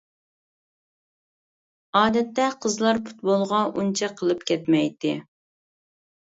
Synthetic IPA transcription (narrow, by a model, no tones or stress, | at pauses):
ɑːd̪ɛt̪ːɛqʰəzlˠɑɾpʰu̥t̪̚bolˠʁɑunt͡ʃʰɛqʰːəlˠɨpkʲʰɛt̪mɛjt̪ɪ